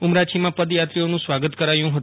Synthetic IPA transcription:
umɾat͡ʃʰimãpəd̪jat̪ɾionũsʋaɡət̪kəɾajũɦət̪

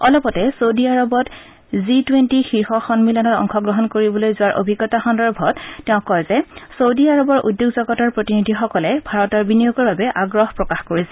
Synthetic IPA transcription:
ɔlɔpɔtɛsowdiaɹɔbɔt | zitwentixiɹxɔxɔnmilɔnɔtɔ̰ŋxɔɡɹɔɦɔnkoɹibɔlojzʊwaɹʔo̰bʱiɡːɔtaxɔndɔɹbʱɔttːɛʊ̃kɔjzɛsowdiaɹɔbɔɹʔṵdjoɡzɔɡɔtaɹpɹotinidʱixɔkɔlɛbʱaɹɔtɔɹbinijoɡɔɹbabɛʔaɡɹɔɦpɹɔkaxkoɹisɛ

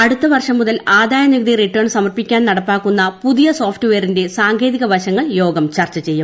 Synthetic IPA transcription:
ɐɽut̪ːɐʋɐrʂɐmːuðɐlaːd̪aːjɐnjiɡɐd̪iriʈːɐːɳsɐmɐrpikʲːaːnnɐɽɐpːaːkːunːɐpuðijɐso̞ːfʈɨʋeːɾinde̞saːŋkʰe̞ːðiɣɐbʱɐɕɐŋːɐɭjo̞ːɡɐmt͡ɕɐrt͡ɕːɐt͡ɕe̞jːum

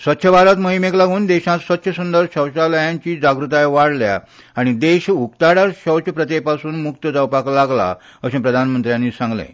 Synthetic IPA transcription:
sʋət̪ːɕʰəbʱaɾət̪məɦimeklaɡʱuːnd̪eɕãt̪sʋət̪ːɕʰəsund̪əɾɕəwɕaləjãɲt͡ɕiːd͡ʑaɡɾut̪ajʋaɽlja̰ | aɽ̃id̪eɕukt̪aɽaɾɕəwt͡ɕʰəpɾət̪epasuːnmukt̪əd͡zəwpaklaɡla̰ | əsẽpɾəd̪ʱanmənt̪ɾjãnːiːsãŋɡlḛ̃

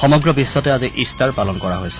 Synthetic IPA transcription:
xɔmɔɡɹɔbisːɔtɛaziʔistaɹpalɔnkɔɹaɦojsɛ̥

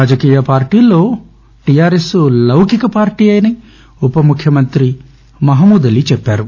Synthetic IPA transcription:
aːd͡ʒɐkiːjɐpaːɾʈiːlːoː | ʈijaːɾesulɐwkikɐpaːɾʈiːɐjni | upɐmukʰjɐmɐnt̪ɾi | mɐɦɐmuːd̪ɐlit͡ʃɛpːaːɾu

